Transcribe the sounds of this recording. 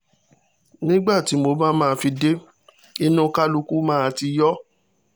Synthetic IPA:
nĩ˦ɡ͡ba˦˨ti˨˦mo˧mã˦mãː˦˧fi˧de˦ | i˦nũ˦ka˦lu˧ku˦mãː˦˨˧ti˧jɔ˦

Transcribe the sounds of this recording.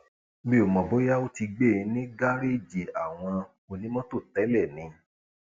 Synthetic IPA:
me˦˨o˨mɔ̃˨bo˨˦ja˦o˦ti˧ɡ͡be˦˨ĩ˨˧˦nĩ˦ɡa˦ɾe˦˨d͡ʒi˨a˨w̃ɔ̃˧ | o˧˨nĩ˨˦mɔ̃˦to˦˨tɛ˨˦lɛ˦˨nĩ˧

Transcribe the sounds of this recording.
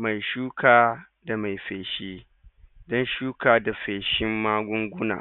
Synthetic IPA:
ma˨jʃuː˦kʰaː˨ | da˨ma˨jɸeː˨ʃiː˦ | dɔ˦nʃuː˦kaː˨da˨ɸeː˨ʃɪ˦mːaː˦ɡʷʊ˦ŋɡʷʊ˦na̰ː˨

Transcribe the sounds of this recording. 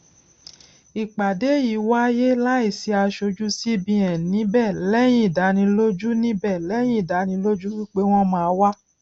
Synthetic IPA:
i˨k͡pa˨de˨˦ji˨˦wa˦je˦la˦i˦˨si˧˦a˧ʃo˧d͡ʒu˦si˦bĩ˧ɛ̃˨nĩ˨˦bɛː˦˨lɛ˦j̃ĩ˦i˨da˨˦nĩ˧lo˦d͡ʒu˦nĩ˦bɛ˦˨lɛ˦j̃ĩ˦i˨da˨˦nĩ˧˦lo˦d͡ʒu˦wi˦k͡pe˦w̃ɔ̃˦mãː˦wa˦

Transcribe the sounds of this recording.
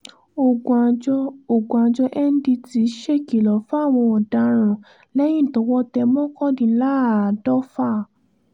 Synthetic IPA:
o˨ɡd͡ʒo˨ɡa˨d͡ʒɔ˧ʔɛ˦n˦di˧ti˧˦ʃe˦˨ki˨lɔ˨˦fɔ˦a˦˨w̃ɔ̃˧ɔ˨da˨˦ɾ̃ã˨ | lɛ˦j̃ĩ˦˨tɔ˨˦wɔ˦tɛ˧mɔ̃˦kɔ̃˦˨dĩ˨˦la˦˨dɔ˦fa˦˨

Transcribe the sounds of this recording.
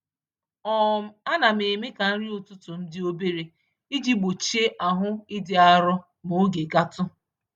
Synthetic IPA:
ɔ˦m̩˦a˦na˨me˨me˦ka˨n̩˦ɾi˦ʊ˨tʊ˦tʊ˨m̩˦dɪ˦o˦be˦ɾe˨ | i˦d͡ʒi˦ɡ͡bo˨t͡ʃi˦e˦ʔa˨ɦʊ˦ɪ˦dɪ˨a˦ɾʊ˦ | mo˨˦ɡe˨ɡa˦tʊ˦

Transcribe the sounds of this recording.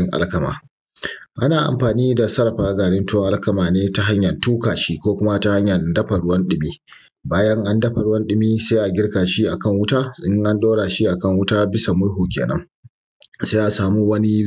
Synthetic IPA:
ɪ˦ŋʔa̰˦lkɐ˨ma̰ː˨ | ʔa˦naː˨ʔa̰˨mɸaː˨niː˦da˨sɐ˦ɾɐ˨ɸaː˦ɡaː˨ɽɪ˦ntʊ˦ŋʔa˦lkɐ˨maː˨neː˦ta˦ɦa˦ɲjɐ˨ntuː˦kaː˨ʃiː˦kʷoː˦kʷʊ˦ma˦ta˦ha˦ɲjɐ˨dɐ˦ɸa˨ɽʊ˦wɐ˦nɗɪ˨miː˦ | baː˦jɐ˦ŋʔa˦ndɐ˦ɸa˨ɽʊ˦wɐ˦nɗɪ˨miː˦sa˦ʔa˨ɡʲɪ˦ɽkaː˨ʃi˦ʔa˨kɐ˦˨ŋwʊ˦taː˦ɪ˦ŋʔa˦nɗoː˦ɽaː˨ʃi˦ʔa˨kɐ˦˨ŋwʊ˦taː˦bɪ˦sa˨mʊ˦ɽɦuː˨kʲḛː˨nɐ̰˦ŋ | se˦ʔa˨saː˨muː˦wɐ˦ni˦

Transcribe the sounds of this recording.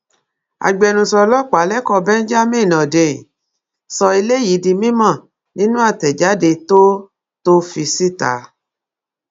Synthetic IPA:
a̰˨ɡ͡bɛ˧nũ˧sɔ˧lɔ˦k͡pa˨˦lɛ˦kɔ˧bɛ˦n̩˦d͡ʒa˦mĩ˦˨nɔ̃˨de˨ | sɔ˧i˧le˦ji˨˦di˧mĩ˦mã˦˨ | nĩ˦nũ˦a˦˨tɛ˨d͡ʒa˨˦de˧to˦ | to˦fi˧si˦ta̰˨˦

